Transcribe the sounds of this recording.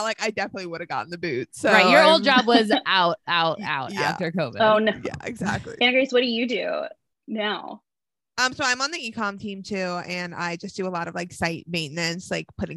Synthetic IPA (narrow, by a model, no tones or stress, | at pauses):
laɪkaɪdɛfənɨtˡliwʊɾɨvɡɑ̰ʔn̩ðɨbʉt̚soɹaɪjə˞oʊlˠd͡ʒɑbwʌzaʊɾ̚aʊta̰ʊtjæ̰ftə˞koʊvoʊnjæ̰ɪ̰ɡzæ̰k̚tˡlḭɨ̃ñɨɡɹiswʌt̚d̥ɨjɨdʉ | noʊ | ʌ̃msoʊãɪ̃mə̃nðiikʰɑ̃mtʰĩmtʰʉɨ̃na̰ɪd͡ʒʌsd̥ɨəlɔɾʌvlaɪksaɪt̚mẽɪʔⁿnɨ̃nslaɪk̚pʰʊɾɪ̃